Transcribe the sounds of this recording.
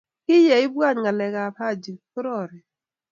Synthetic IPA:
kɪ˦jɛ˨ɪ˦bwa˦˨ɲɡa˨lɛ˨ka˨pa˦d͡ʒi˨kʊ˦ɾɔ˦˨ɾɛ˨

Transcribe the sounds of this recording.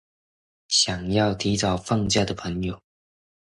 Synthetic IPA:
ɕjɑ˨˩ŋjɑ˥˩ʊt̪ʰi˧˥ʈ͡ʂɑ˨˩ʊfɑ˥˧ŋt͡ɕja˥˩d̪ə˩pʰɤ˧˥ŋjo˨˩ʊ

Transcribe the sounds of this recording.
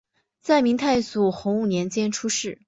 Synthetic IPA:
t͡sa˥˩ɪmi˧˥ŋt̪ʰa˥˩ɪsu˨˩xʊ˧˥ŋu˥˩njɛ˧˥nt͡ɕjɛ˥nʈ͡ʂʰu˥ʂɻ̩˥˩

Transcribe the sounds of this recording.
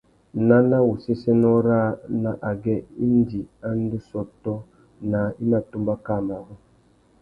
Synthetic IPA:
na˦na˦wu˨se˦se˦nɔ˦ɾa˦na˨ʔa˨ɡɛ˦i˦n˦di˨a˦n˦du˦sɔ˦tɔ˦ | na˨i˦na˨tu˦mba˦ka˦˨ma˨ɾɔ˦

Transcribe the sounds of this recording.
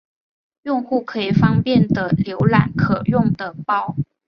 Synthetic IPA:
jʊ˥˧ŋxu˥˩kʰɤ˧˥i˨˩fɑ˥ŋpjɛ˥˩nd̪ə˩ljo˧˥ʊla̰˨˩nkʰɤ˨˩jʊ˥˩ŋd̪ə˩pɑ˥˩ʊ

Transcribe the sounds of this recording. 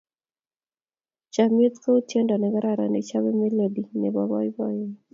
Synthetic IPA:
t͡ʃame˦t̪ko˦u˦tje˦ndɔ˨nɛ˨ɡaɾaɾa̰˨nɛ̰˨t͡ʃa˦βɛ˦me˦le˨di˨nɛ˨bɔβɔ̰˦jbɔ˦j

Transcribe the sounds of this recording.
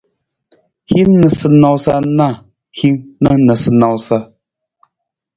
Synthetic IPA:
hi˦nə˨sɨ˨na˨wsa˦na˦˨ | hi˦ŋnə˦nə˨sɨ˨na˨wsa˦

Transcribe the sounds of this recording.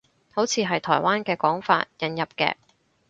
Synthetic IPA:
ho˨˥wt͡sʰiː˨˧ɦɐ˨jt̪ʰɔ̰ː˨˩jwaː˥nkɛː˧kɔː˨˥ŋfa̰ː˧t̚jɐ˨˧njɐ˨p̚kɛ̰ː˧

